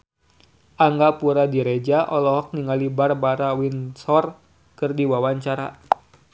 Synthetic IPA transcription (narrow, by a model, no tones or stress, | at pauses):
ʔaŋɡapuɾadiɾed͡ʒaʔɔlɔɦɔk̚niŋalibarbaɾawinsɔr | kɨrdiwawaɲt͡ʃaɾa